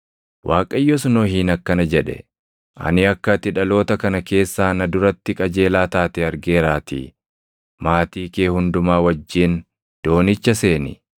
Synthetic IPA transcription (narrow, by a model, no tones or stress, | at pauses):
wʔaːkʼɐjːosnoːɦɪːnɐkːɐnɐd͡ʒɛᶑɛ̰ | ɐ̰nɪɐkːɐt̪ɪᶑɐlo̞ːt̪ɐkɐnɐke̞ːsːaːnɐd̪ʊɾɐt̪ːɪkʼɐd͡ʒe̞ːlaːt̪aːt̪ɛɐɾɡe̞ːɾaːt̪ḭː | maːt̪iːkeːhʊnd̪ʊmaːwɐd͡ʒːiːn | d̪̥o̞ːnɪt͡ʃːɐse̞ːnɪ̰